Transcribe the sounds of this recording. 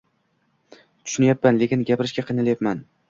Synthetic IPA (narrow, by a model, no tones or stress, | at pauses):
t̪ʰʊ̥ʃʊnajapːanle̞kʲɪnɡʲapɪɾɪʃɡʲaqʰɨjnɪljapman